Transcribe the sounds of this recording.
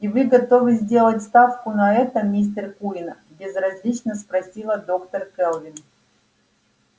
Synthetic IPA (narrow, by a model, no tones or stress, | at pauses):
ivɨɡɐt̪o̞vɨzʲdʲe̞lˠətʲst̪afkʊnɐɛt̪əmʲis̬ʲt̪ʲərkuɪnə | bʲɪzrɐzʲlʲit͡ɕnəspɾɐsʲilˠəd̪o̞kt̪ərkɛlˠvʲɪn